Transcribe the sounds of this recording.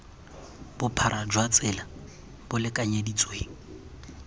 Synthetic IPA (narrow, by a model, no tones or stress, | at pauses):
b̥ʊpʰaɾʔad͡ʒwat͡sʼɪla | b̥ʊlɪkʼaɲedit͡sʼweːŋ̩